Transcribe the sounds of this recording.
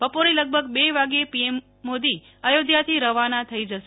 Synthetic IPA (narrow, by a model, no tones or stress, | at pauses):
bəpoɾeləɡ̚bʱəɡbeʋaɡepiemː | od̪i | əjod̪jat̪ʰiɾəʋanat̪ʰəid͡ʒəʃe